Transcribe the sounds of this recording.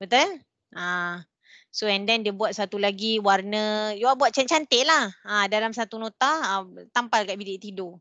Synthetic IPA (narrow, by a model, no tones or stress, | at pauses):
bət̪a | ã | soɛndɛndiəbuat̪̚sat̪ulaɡiwarnəjuabuat̪̚t͡ʃat͡ʃant̪eʔlahãdalamsat̪unõt̪at̪ampalkaʔbilɪʔt̪ido